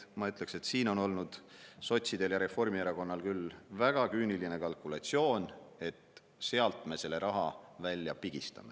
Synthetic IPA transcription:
mɑyt̪ːˑle̞kse̞t̪siːno̞no̞lnud̪̥so̞t̪ʲsid̪̥e̞ljɑɾe̞fo̞rmieɾɑko̞nːɑlkylvæɡ̥ɑkyːniline̞kɑlkulɑt̪ʲsio̞ːne̞t̪ | se̞ɑlt̪ˑme̞se̞lːeɾʔɑɦɑvælʲːjɑ̰piɡ̥ist̪ɑ̰me̞

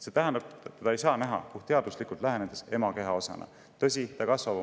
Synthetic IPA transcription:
se̞t̪æɦænd̪ɑb̪t̪ɑejsɑːnæɦɑ̰kuht̪e̞ɑd̪uslikˑult̪læɦæned̪̥ese̞mɑke̞ɦɑo̞sɑ̰nɑ̰ | t̪ɤs̬ʲit̪ɑkɑsvɑvɑ

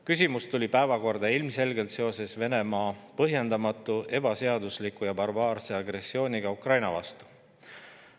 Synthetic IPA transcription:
kys̬ʲimust̪ulʲipæe̞vɑko̞rd̪̥ɑilmse̞lɡe̞lt̪seo̞se̞sve̞ne̞mɑːpɤɦje̞nd̪ɑmɑt̪ːˑue̞b̥ɑse̞ɑd̪uslikujɑbɑrbɑːrse̞ɑɡre̞sːio̞ːniɡ̥ɑukrɑjnɑvɑ̰st̪u̥

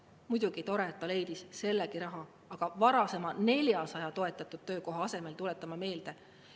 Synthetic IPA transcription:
mujd̪̥uɡ̥it̪o̞ɾe̞t̪ːˑɑle̞jd̪̥isse̞lːekiɾɑɦɑ | ɑɡ̥ɑvɑɾɑse̞mɑne̞ljɑsɑjɑt̪o̞e̞t̪ːˑɑt̪ːˑud̪̥̚t̪ø̞ːko̞ɦɑɑse̞me̞lt̪ule̞t̪ːˑɑmɑme̞ːld̪e̞

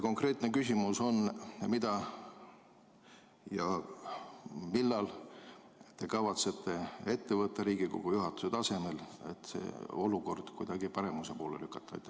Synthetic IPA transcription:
ko̞ŋkre̞ːt̪ne̞kysʲimuso̞nmid̪̥ɑ | jɑ | milːɑl | t̪e̞kɑvɑt̪se̞t̪ːe̞e̞t̪ːevɤt̪ːɑɾiːɡiko̞̰ɡ̥ujuɦɑt̪ːˑu̥set̪ɑse̞me̞le̞̰t̪ːse̞̰ːo̞luko̞rd̪̥kujd̪̥ɑɡipɑɾe̞muse̞po̞ːlḛlykːˑɑ̥t̪ːˑɑɑ̰jt̪ː

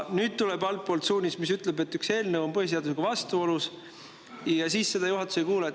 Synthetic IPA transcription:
nyːd̪̥̚t̪uleb̥ɑlt̪̚po̞ːlt̪suːnʲismisyt̪le̞be̞t̪ːykse̞ːlnewo̞mpɤɦhis̬eɑd̪useɡ̥ɑvɑst̪uo̞lus | jɑsiːsːe̞d̪ɑjuɦɑt̪ːˑu̥se̞jkuːlɑ

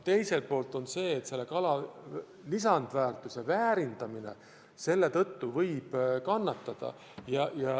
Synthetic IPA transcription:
t̪e̞jse̞lt̪̚po̞ːlt̪ˑo̞nse̞ːt̪se̞lːe̞kɑlɑ | lisɑnd̪̥væːrt̪ːˑuse̞væːɾind̪̥ɑmine̞̰ | se̞lːe̞t̪ɤ̞t̪ːuvɤjb̥kɑnːɑt̪ːˑɑd̪̥ɑ̰ | jɑjɑ

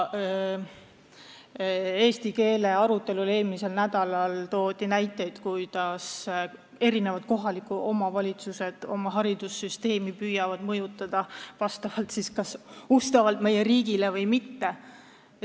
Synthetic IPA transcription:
e̞ːst̪ike̞ːle̞ɑɾut̪ːˑe̞lule̞ːlmise̞lnæd̪̥ɑlɑlt̪o̞ːd̪inæjt̪ːˑe̞jd̪̥kujd̪̥ɑs | e̞ɾine̞vɑd̪̥̚ko̞ɦɑlikːˑuʔo̞mɑvɑlʲit̪suse̞d̪̥o̞̰mɑɦɑɾid̪̥usːyst̪e̞ːmipyjɑvɑd̪̥mɤjut̪ːˑɑd̪̥ɑvɑst̪ɑvɑlt̪siskɑsust̪ɑvɑlt̪me̞jeɾiːɡ̥ile̞vɤjmit̪ːe̞

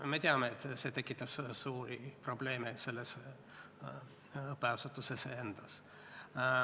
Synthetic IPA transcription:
me̞t̪eɑmeːt̪ːˑse̞t̪e̞kːˑit̪ːˑɑssuːɾipro̞ble̞ːmese̞lːes | ɤpːeɑsut̪ːˑusesee̞nd̪̥ɑs

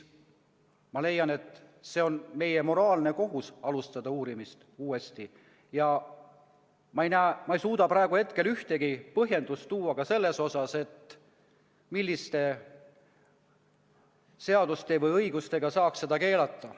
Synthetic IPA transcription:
mɑle̞jːɑne̞t̪ːˑse̞o̞nme̞je̞mo̞ɾɑːlne̞ko̞ɦusɑlust̪ɑd̪ɑuːɾimist̪uːe̞st̪i | jɑ | mɑejnæːmɑejsuːd̪̥ɑpɾɑe̞ɡuhe̞t̪ke̞lyht̪e̞ɡipɤɦje̞nd̪̥ust̪uːɑkɑse̞lːe̞so̞sɑse̞t̪ | milːist̪e̞ | se̞ɑd̪̥ust̪e̞vɤjɤjɡust̪e̞ɡ̥ɑsɑːksse̞d̪ɑke̞ːlɑt̪ːˑɑ

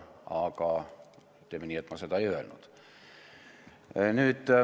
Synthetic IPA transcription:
ɑ̰ːkɑː | t̪emeniet̪mɑset̪ɑyølnṵt̪ | nyt̪

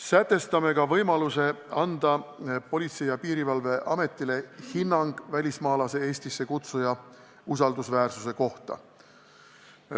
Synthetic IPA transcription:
sæt̪ːˑe̞st̪ɑme̞kɑvɤjmɑluse̞ɑnd̪̥ɑpo̞lʲit̪se̞jɑpiːɾivɑlve̞ʔɑme̞t̪ˑːile̞hinːɑŋɡ̥vælʲismɑːlɑse̞e̞ːsʲt̪isːe̞kut̪sujɑ | us̬ɑld̪usvæːrsuse̞ko̞ht̪ɑ̰

